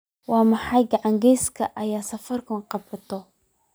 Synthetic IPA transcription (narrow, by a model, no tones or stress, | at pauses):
waːmaħajɡʕaŋɡɛːskʰɐʔɐjaːsɐfɐrkʊnqɑbɪt̪ɔ